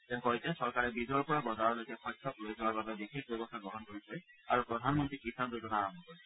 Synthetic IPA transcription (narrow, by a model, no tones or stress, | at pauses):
t̪ɛ̃ŋkɔjtɛsɔɾkaɾebid͡ʒɔɔɾpɔɹabɔzaɹɔɹlojkaxɔjtʰːɔkloed͡ʒawaɾbabebixek̚ʰbebɔst̪ʰaɡɾɔɦɔnkoɹit͡ʃʰɔja̰ɾupɾɔd̪ʱanmɔnt̪ɾikisand̪utɔnaɹɔmbʱɔkɔɾ